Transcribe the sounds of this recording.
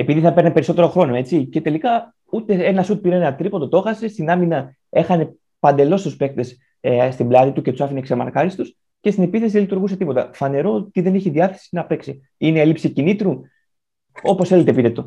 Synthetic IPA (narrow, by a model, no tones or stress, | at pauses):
e̞piðiθɐpe̞ɾnepe̞ɾiso̞t̪e̞ɾo̞xɾo̞no̞e̞t͡sice̞t̪e̞likɐ | ut̪e̞e̞nɐsut̪̚piɾeenɐt̪ɾipo̞t̪ot̪o̞xɐse̞st̪inɐminɐ | e̞xɐne̞ | pɐnd̪e̞lo̞st̪uspe̞k̚t̪e̞s | st̪iblɐðit̪ucet̪u̥sɐfinekseɾmɐ̰ɾkɐɾist̪us | ce̞st̪ine̞piθe̞siðelit̪uɾɣuse̞t̪ipo̞t̪ɐ̰fɐne̞ɾo̞ot̪iðe̞neçiðiɐθe̞̥sinɐpeksi | ineelipsicinit̪ɾu | o̞po̞sθelet̪epit̪e̞t̪o̞